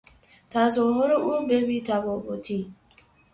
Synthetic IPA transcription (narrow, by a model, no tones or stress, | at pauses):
tazʊɦʊɾʊʔubebitaboboti